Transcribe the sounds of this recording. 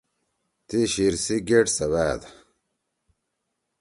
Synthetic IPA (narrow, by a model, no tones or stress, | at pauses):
t̪iɕiɾsiɡeʈsɐβaːd̪a